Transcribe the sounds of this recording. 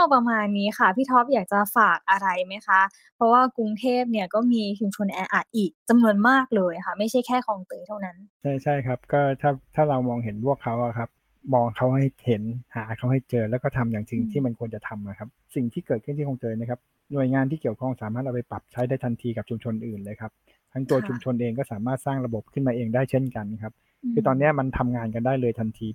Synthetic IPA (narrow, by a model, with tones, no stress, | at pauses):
ta˥˩pɾa˧maː˧nːiː˦˥xa˥˩pʰiː˥˩t̪ʰɔ˦˥p̚jaː˨˩k̚t͡ɕa˨˩faː˨˩k̚ʔa˧ɾa˧jma˦˥jxʰa˦˥ | pʰɾɔ˦˥waː˥˩kɾu˧ŋt̪ʰeː˥˩p̚ni˥˩ɐkɔː˥˩miː˧t͡ɕʰu˧mt͡ɕʰo˧nʔɛː˧ʔa˨˩t̪̚ʔiː˨˩k̚t͡ɕa˧mnu˧ənmaː˥˩k̚lɤː˧jxʰa˦˥˩ma˥˩jt͡ɕʰa˥˩jkʰɛː˥˩kʰɔː˧ŋt̪ɤː˧jt̪ʰa˥˩wna˦˥nt͡ɕʰa˥˩jt͡ɕʰa˥˩jkʰa˦˥p̚kɔː˥˩t̪ʰaː˥˩t̪ʰaː˥˩ɾa˧wmɔː˧ŋɦe˩˦npʰu˥˩əkʰːa˦˥wʔa˨˩kʰa˦˥p̚ | mɔː˧ŋkʰa˦˥wɦa˥˩jhe˩˦nhaː˩˦kʰa˦˥˩wha˥˩jt͡ɕɤː˧lɛː˦˥wkɔː˥˩t̪ʰa˧mjaː˨˩ŋt͡ɕi˧ŋt̪ʰiː˥˩ma˧nkʰu˧ənt͡ɕa˨˩t̪ʰa˧mʔa˨˩kʰa˦˥p̚si˨˩ŋt̪ʰiː˥˩kɤː˨˩kʰɯ˥˩t̪ʰi˥˩ɔ˧ŋt̪ɤː˧jna˦˥kʰa˦˥p̚ | nu˨˩əjŋaː˧nt̪ʰiː˥˩ki˩əwkʰɔ˥˩ŋsaː˨˩˦maː˥˩ʔa˧wpa˧jpɾa˨˩p̚t͡ɕʰa˦˥jdaː˥˩jt̪ʰa˧nt̪ʰiː˧ka˨˩p̚t͡ɕʰu˧mt͡ɕʰo˧nʔɯː˨˩nlɤː˧jkʰa˦˥p̚ | t̪ʰa˦˥ŋt̪u˧ɐt͡ɕʰu˧mt͡ɕʰo˧nʔeː˧ŋkɔː˥˩saː˩˦maː˥˩t̪̚saː˥˩ŋɾa˧bo˨˩p̚kʰɯ˥˩nmaː˧ʔeː˧ŋdaː˥˩jt͡ɕʰe˥˩nka˧nkʰa˦˥p̚ | kʰɯː˧t̪ɔː˧nːi˦˥ɐma˧nt̪ʰa˧mŋaː˧nka˧ndaː˥˩jlɤː˧jt̪ʰa˧nt̪ʰiː˧